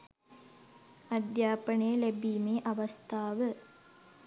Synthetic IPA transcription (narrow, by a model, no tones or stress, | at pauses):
ɐd̪jaːpəɳəjəlæbiːmeːʔaʋɐst̪ʰaːʋə